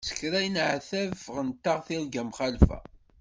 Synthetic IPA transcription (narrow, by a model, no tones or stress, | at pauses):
sə̥kːɾæjənʕθævʁənt̪ːaʁθilɡæmχalfæ̰